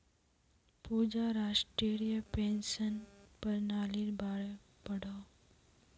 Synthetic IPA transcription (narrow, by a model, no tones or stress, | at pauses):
pud͡ʒaɾasʈɾeɾijəpensənpəɾnaːliɾbaːɭe | pəɽaw